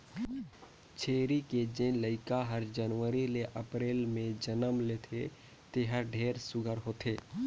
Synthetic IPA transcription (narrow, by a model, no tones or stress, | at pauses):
t͡ʃʰeːɾiked͡ʒẽləɪkaɦəɾd͡ʒənʋəɾileʔəpɾeːlmẽd͡ʒənəmlet̪ʰe | t̪eɦəɖʱeːɾsʊɡʱəɾɦoːt̪ʰeː